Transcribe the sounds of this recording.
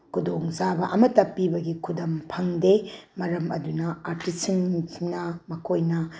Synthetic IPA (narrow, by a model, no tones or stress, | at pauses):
kʰudoŋzabɐʔɐmɐtːɐpibɐɡikʰudɐmpʰɐŋdemɐɾɐmɐdunɐaɾtisiŋnɐmɐkʰojnɐ